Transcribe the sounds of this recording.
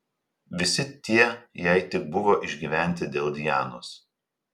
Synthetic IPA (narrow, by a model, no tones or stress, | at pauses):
ʋʲɪsʲɪt̪ʲiɛjɛɪt̪ʲɪk̚bʊʋoːʔɪʒʲɡʲiːˑʋʲæˑnʲt̪ʲɪd̪ʲeːlˠd̪ʲɪjæːnoːs